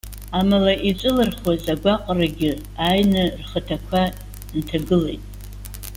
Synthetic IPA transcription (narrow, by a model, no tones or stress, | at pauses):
amalaʔit͡sʷʼɨlɨrχwazaɡʷaqʼraɡʲɪ | ajnɨrχətʰakʷʰa | ntʰaɡɨle̞̰jtʼ